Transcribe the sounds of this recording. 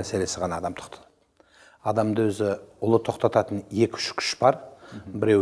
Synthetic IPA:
æse̞le̞sɪʁɑnɑːd̪ɑmt̪ʰʊ̥qt̪ʰɑ̥ | ɑd̪ɑmd̪əwɵzɪʊlˠət̪ʰo̞qt̪ɑt̪ɑt̪ənje̞kʲʏ̥ʃkʲʰʏ̥ʃbɑɾbɪɾe̞

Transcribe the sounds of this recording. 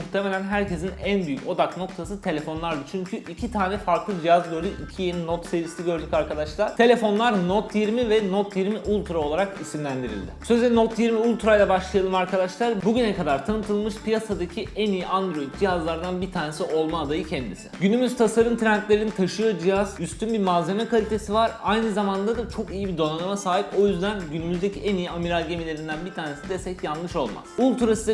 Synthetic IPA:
muxt̪ʰeme̞lʲænɦæɾcʰe̞zinænbyjyco̞d̪akno̞kt̪ʰasɯt̪ʰe̞lʲe̞fo̞nlˠaɾd̪ɯt͡ʃʰyɲcʰyʔicʰit̪ʰaːnɛfaɾklˠɯd͡ʒijazɡøɾyʔicʰijeninot̪sevisiɟø̞ɾd̪ycaɾkad̪aʃlˠaɾ̥t̪ʰe̞lʲe̞fo̞nlˠaɾnot̪ʰjiɾmivɛnot̪ʰjiɾmiʔulˠt̪ʰɾaolˠaɾakisimlʲænd̪iɾḭlʲd̪ɪsø̞zɛnot̪jiɾmiulʲˠt̪ɾajlˠabaʃlˠajalˠɯmaɾkʰad̪aʃlˠaɾbuɟynɛkad̪aɾt̪ʰanɯt̪ʰɯlˠmɯʃpʰijasad̪acʰiænijiʔand̪ɾo̞jit̪̚d͡ʒijazlˠaɾd̪anbit̪ʰaːne̞siʔo̞lˠmaːd̪ajɯcʰɛnd̪isɪ̥̰ɟynymyz̥t̪ʰasaɾɯnt̪ʰɾænt̪lʲe̞ɾinit̪ʰaʃɯjo̞d͡ʒijaz̥yst̪ʰynbiɾmaze̞mɛkʰalʲit̪ʰe̞sivaɾajnɯzamand̪ad̪at͡ʃʰo̞kijibid̪o̞nanamasaːɦipo̞jyzd̪ænɟynymyzd̪ecʰiænijiamiɾalɟe̞milʲe̞ɾind̪ænbit̪ʰaːne̞sid̪est̪ɛcjanlːɯʃo̞lˠma̰sulˠt̪ʰuɾasɯd̪

